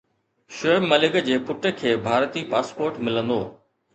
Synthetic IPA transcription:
ʃoemmɐlɪɡəd͡ʑeːpʊʈə̆kʰeːbʱaːɾt̪iːpaːspoːɾʈmɪlə̃nd̪o̰ː

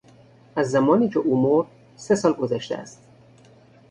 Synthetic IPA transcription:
ʔæzːæmɒːniːcʰeʔuːmoɾd̪̥̚ | se̞sɒːlɡozæʃt̪æ̰æ̰st̪

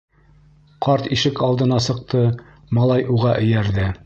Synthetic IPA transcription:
qɑɾt̪iʃɘkɑlˠd̪ɤ̆nɑsɤ̆q̚t̪ɤ | mɑlˠɑjʔuʁɑʔɵ̆jæɾðɘ

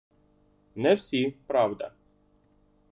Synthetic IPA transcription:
nɛwsʲipɾaʋd̪a̰

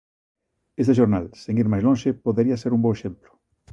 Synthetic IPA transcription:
est̪eʃ̬oɾnalseŋiɾmajzlõŋʃepoðeɾiɐaseɾumboweʃemplʊ̥

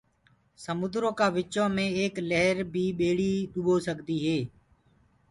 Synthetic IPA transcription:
səmʊd̪ɾõːkaːʋɪt͡ʃõːmẽːeːkləɦɾbʱiːɓeːɽiːɗʊɓoːsəɡd̪iːɦeː

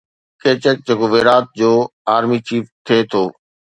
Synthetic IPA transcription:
kʰeːt͡ɕək̚d͡ʑɐɡoʋeːɾaːt̪̚d͡ʑoːaːɾmit͡ɕiːft̪ʰeːt̪ʰoː

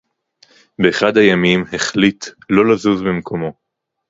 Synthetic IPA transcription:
beːχadhajamimheχlitlo̞lazuzbimkʰo̞mo̞

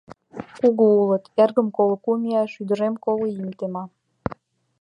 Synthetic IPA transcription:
kuɣuulət̪erɣəmkoləkumʲiɑʃyd̪əɾemkolejimt̪emɑ

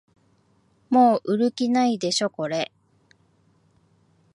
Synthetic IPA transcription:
mo̞ːʔɯ̟ɾɯ̟kʲinaid̪e̞ɕo̞ko̞ɾe̞

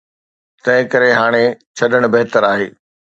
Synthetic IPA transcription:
t̪ɐ̃ɦɪ̃kɐɾeɦaːɽ̃et͡ɕʰɐɗəɽ̃̆bɐɦɪt̪əɾaːɦeː

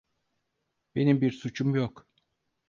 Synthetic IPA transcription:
be̞nimbiɾsut͡ʃʰumjok

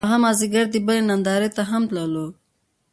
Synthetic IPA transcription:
aɣamɑziɡaɾd̪ibəlenand̪ɑɾet̪aɦamt̪lalo

